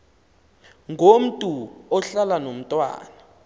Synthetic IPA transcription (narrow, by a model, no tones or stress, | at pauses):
ŋɡʱom̩tʼuɔɬalanom̩tʼwa̰ːna